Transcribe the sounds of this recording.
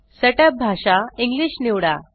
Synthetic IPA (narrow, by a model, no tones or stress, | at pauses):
seʈəp̚bʱaʂaiŋɡliɕniwɽa